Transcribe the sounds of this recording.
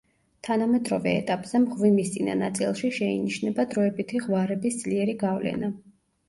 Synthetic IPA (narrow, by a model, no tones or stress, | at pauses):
t̪ʰanamɛd̪ɾɔvɛ̰ːt̪ʼapʼz̥ɛmʁvimist̪sʼina̰nat̪sʼilˠʃiʃɛḭniʃnɛbad̪ɾɔɛbit̪ʰiʁvaɾɛbisd̪zliɛɾiɡavlɛ̰na